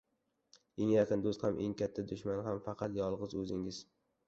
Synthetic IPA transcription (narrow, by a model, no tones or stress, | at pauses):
eŋjɑqʰɨnd̪ost̪hamʔḛŋkʲʰat̪ʰːad̪ʊʃmanɦamfɑqʰɑt̪jɒlˠʁɨzɵzɪŋɪz̥